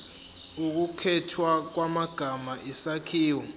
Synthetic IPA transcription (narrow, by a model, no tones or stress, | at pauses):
uk̬ukʰɛtʰwak̬wamaɡ̥ʱamaʔisakʰiːwɔ